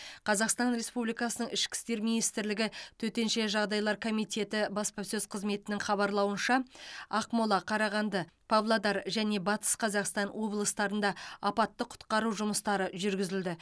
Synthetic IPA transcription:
qʰɑzɑqst̪ɑnɾe̞spublijkɑsənəɴɪʃkʲɪ̥st̪e̞ɾminijst̪ɪɾlɪɡʲɪt̪ʰɵt̪e̞nʃe̞ʒɑʁd̪ɑjlˠɑɾkʰo̞mijt̪e̞t̪ɪbɑspɑsɵzqʰəzme̞t̪ɪnɪŋχɑβɑɾlˠɑwənʃɑɑqmolˠɑqʰɑɾɑʁɑnd̪ɑpʰavlˠod̪ɑɾʒæne̞bɑt̪ə̥sqʰɑzɑqst̪ɑnwo̞blˠəst̪ɑɾənd̪ɑɑpɑt̪ːəqʰʊ̥t̪qɑɾuʒʊməst̪ɑɾəʒʏɾɡʲɪzɪld̪ɪ

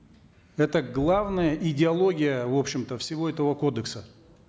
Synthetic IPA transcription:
ɛt̪əɡlˠavnəjəʔɪdʲɪɐlˠo̞ɡʲɪjəvo̞pɕːɪmt̪əfsʲɪvo̞ɛt̪əvəkod̪əksə

